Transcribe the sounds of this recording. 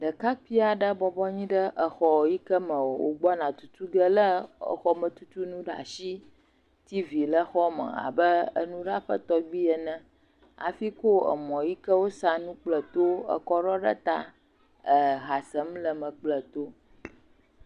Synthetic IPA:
ɖə˨ka˦ki˦a˨ɖə˦bɔ˨bɔ˦ɲĩ˦ɖə˦ʔə˨xɔ˨ji˦kə˦mə̃˨wo˨wo̰˨ɡ͡bɔ˦nã˨t̪u̥˦t̪u˦ɡə˦lə˦ə̰˨xɔ˦mə̃˨t̪u˦t̪u˦nũ˦ɖa̰˨ʃi˦ | t̪i˦vi˨lə˦xɔ˦mə̰̃˨a̰˨bə˦ə̰˦nũ˦ɖa˦ɸə̰˦t̪ɔ˦ɡ͡bi˦ə˨nə̃˦ | a̰˨fi˦ko˦ə̰˨mɔ̃˨ji˦kə˦wo˦sa˦nũ˦k͡plə˨t̪o˦ə̰˨kɔ˦ɖɔ˦ɖə̰˦t̪a˦ | ə˨ɣa˨sə˦mlə˨mə̃˨k͡plə˨t̪o˦

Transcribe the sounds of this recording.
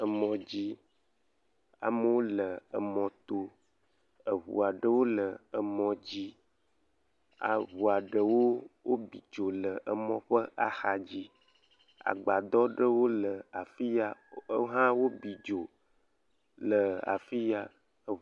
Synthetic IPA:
ə˨mɔ̃˨d͡ʑi˦ | a̰˨mə˦wo˦lə˨ə˨mɔ̃˨t̪o˦ | ə˨βṵ˨a˨ɖə˦wo˦lə˨ə˨mɔ̃˨d͡ʑi˦ | a̰˨βu˨a˨ɖə˨wo˦wo˦bi˨d͡ʒo˨lə˨ə˨mɔ̃˦ɸə˦ʔa˨xa˨d͡ʑi˦ | a̰˨ɡ͡ba˨d̪ɔ˦ɖə˦wo˦lə˨a˨fi˦ja˦ɦã˦wo˦bi˨d͡ʒo˨ | lə˨a̰˨fi˦ja˨ | ə˨

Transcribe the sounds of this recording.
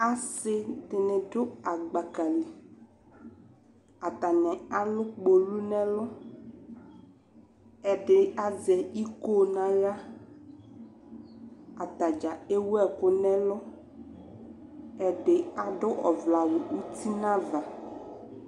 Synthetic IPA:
a˨sɪ˦dɪ˨nɪ̃˨dʊ˦a˨ɡ͡ba˨ka˨le˨ | a˨t̪a˨nɛ̃˨a˦lʊ˦k͡po˨lu˦nɛ̃˦lʊ˦ | ɛ˨ɖɪ˨a˨zɛ˨i˦ko˦nã˨ja˦ | a˨t̪a˨d͡ʒa˨e˦wɛ˦kʊ˦nɛ̃˦lʊ˦ | ɛ˨ɖɪ˨a˨dʊ˦ʔɔ˨vla˨wʊ˨u˦ti˦nã˦va˨

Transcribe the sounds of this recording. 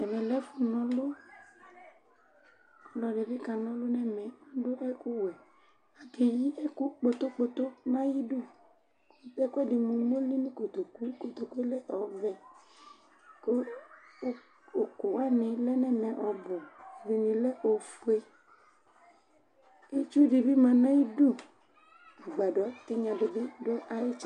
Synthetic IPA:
ɛ˨mɛ̃˨lɛ˦fu˦nɔ̃˨lo˦ | kɔ˨lɔ˨ɖe˨ve˦ka˨nɔ̃˦lo˦nɛ̃˦mɛ̃˨ã˦ɖo˦ʔɛ˦ku˦wɛ˨ | a˨t̪e˨ji˦ʔɛ˦ku˦k͡po˨t̪o˦k͡po˨t̪o˦nã˦ji˦ɖu˦ | e˦ku˦ɛ˦de˨mũ˨mo˦li˦nũ˦ko˨t̪o˨ku˦i˦ko˨t̪o˨ku˦e˦lɛ˦ʔɔ˨vɛ˨ | ko˦ | o˨ko˨a˦nẽ˨lɛ˦nɛ̃˦mɛ̃˨ʔɔ˨bo˨ve˨ɲĩ˨lɛ˦ʔo˨fo˦e˦ | e˦t͡ʃu˦ɖi˨bi˦mã˨nã˦ji˦ɖu˦ | u˨ɡ͡ba˨ɖɔ˨˦t̪e˦ɲã˨be˨be˦ɖo˦ʔa˦je˦t͡ʃ

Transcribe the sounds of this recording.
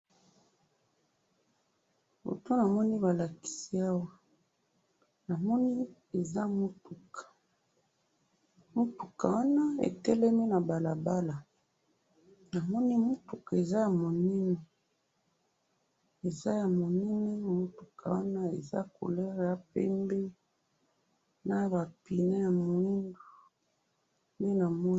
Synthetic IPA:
bo̰˨to˦na˨mɔ˦ni˦ba˨la˨ki̥˨si˦a˦wa˦ | na˨mɔ˦ni˦ | e˨za˦mo˦tu˨kḁ˨ | mo˦tu̥˨ka˨wa˦na˦ḛ˨tɛ˦lɛ˦mi˦na˨ba˨la˨ba˦la˨ | na˨mɔ˦ni˦mo˦tu˨ka˨e˨za˦ja˨mo˨nɛ˦nɛ˨ | e˨za˦ja˨mo˨nɛ˦ne˦mo˦tu˨kʰa˨wa˦na˦e˨za̰˦ko̰˨lɛ˦ʁja˨pɛ̰˦mbe˦ | na˦ba˨pi˨ne˦ja˨mo˨i˦ndo˨ | me˦na˨mɔ˦

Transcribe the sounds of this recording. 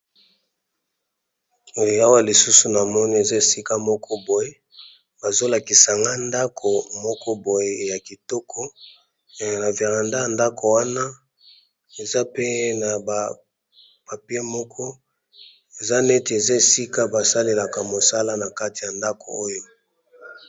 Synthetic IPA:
o˦ja˦wa˦li˨su˦su˨na˨mɔ˦ni˦e˨za˦e˨si˦ka˦mɔ˦kʰɔ˦bo˨je˨˦ | b̥a˨zo˦la˨ki˨sa˨ŋɡa˦nda˦kʰo˨mɔ˦kɔ˦bo˨je˨ja˨ki˨tɔ˦kʰɔ˦˨ | na˨ve˨ʁa˨nda˦ja˨nda˦ko˨wa˦na˦ | e˨za˦pe˦na˨ba˨ | pa˨pi˦e˦mɔ˦kʰɔ˦ | e˨za˦nɛ˦te˨e˨za˦e˨si˦ka˦ba˨sa˦le˨la˨ka˨mo˨sa˦la˦na˨ka˦ti˨ja˨nda˦ko̰˨o˦jo˦

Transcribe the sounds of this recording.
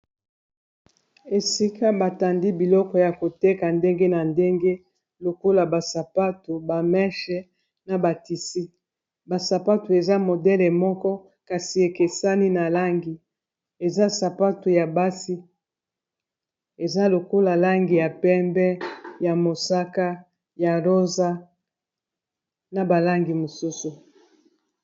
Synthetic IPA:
e˨si˦ka˦ba˨ta˨ndi˦bi˨lɔ˦kɔ˨ja˨ko˨te˦ka˨nde˦ŋɡe˦na˨nde˦ŋɡe˦ | lo˨ko˦la˨ba˨sa˨pa˦tu˨ba˨mɛ˦ʃɛ˨ | na˨ba˨ti˨si˦ | ba˨sa˨pa˦tu˨e˨za˦mo˨dɛ˦lɛ˨mɔ˦kɔ˦ | ka˨si˨e˨ke˨sa˦ni˦na˨la˦ŋɡi˨ | e˨za˦sa˨pa˦tu˨ja˨ba˦si˦ | e˨za˦lo˨ko˦la˨la˦ŋɡi˨ja˨pɛ˦mbɛ˦ja˨mo˨sa˦ka˦ | ja˨ʁo˦za˦ | na˨ba˨la˦ŋɡi˨mo˨su˦su˨

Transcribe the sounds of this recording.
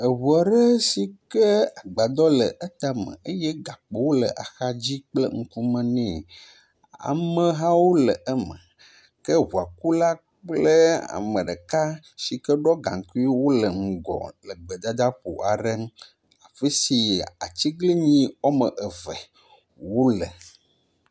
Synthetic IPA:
ə˨wu˨a˨ɖə˦si˨kə˦a˨ɡ͡ba˨d̪ɔ˦lə˨ʔə˦t̪a˨mə̰̃˨ə˦jɛ˦ɡa˨k͡pe˨wo˦lə̰˨ʔa˨xa˦d͡ʑi˦k͡plə̰˦ŋ̩˦ku˦mə̃˦nɛ̃˦˨ | a̰˨mə̃˨ɦã˦wo˦lə˨ʔə˦mə̰˨ | kə˦ɦu˨a˨ku˦la˦ | k͡plə˦a̰˨mə̃˨ɖə˨ka˦ | ʃi˨kə˦ɖɔ˦ɡã̰˨ŋ˨ku˦wo˦lə˨ŋ̩˨ɡɔ̰˨lə˨ɡ͡bə˨d̪a˦d̪a˦ɸo̰˨ʔa˨ɖə˦ | a˨ɸə˦si˨a̰˨t͡ɕi˦ɡli˦ɲĩ˦wɔ˦mə˨ʔə˨vɛ̰˨ | wo˦lə̰˨

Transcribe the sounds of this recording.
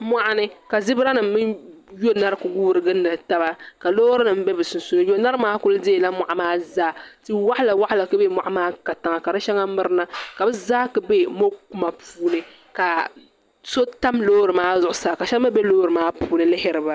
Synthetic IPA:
mʷa˦ʔa˦nɨ˦ka˨zɪ˦bɾa˦nɨ˨mː˦ɨ˦njo˦na˦ɾɨ˦ku˨ɡuː˦ɾɨ˨ɡɨ˦nːɨ˨ta˦ba˦ka˨loː˦ɾɨ˦nɨ˨m˦bɛ˦bɨ˨sʊ˨n˨su˦nɨ˦jo˦na˦ɾɨ˦maː˦kʊ˦lde˦˨la˦ma˨ʔa˨maː˦zaː˦ti˦wa˦ʔla˨wa˦ʔla˨kɨ˦be˦mʷa˨ʔa˦maː˦ka˨ta˨ŋa˨ka˨ɾɨ˦ʃɛ˦ŋa˦mɨ˦ɾɨ˦na˦ka˨bɨ˦zaː˦kɨ˨be˦mo˦ku˦ma˨pʰuː˦nɨ˦ | ka˨ | so˦ta˦mlo˦ɾɨ˨maː˦zʊ˨ʔʊ˦saː˨ka˨ʃɛ˦ma˦bɛ˦loː˦ɾɨ˨maː˦puː˦nɨ˦lɪ˦hɪ˦ɾɨ˨ba˨

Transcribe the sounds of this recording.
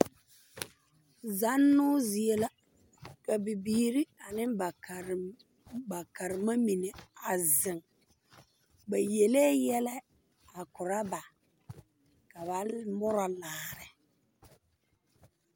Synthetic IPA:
za˦nːʊ˦zi˨e˦la˦ | ka˨bɪ˨biː˦ɾi˦a˨nɪ˦mba˨ | ba˨ka˨ɾɪ˨ma˦mi˨ne˨a˨zɪ˨ŋ | ba˨je˨leː˦jɛ˦lɛ˦ | a˨kʊ˨ɾa˦ba˨ | ka˨βa˨mʊ˦ɾa˨laː˨ɾɪ˨

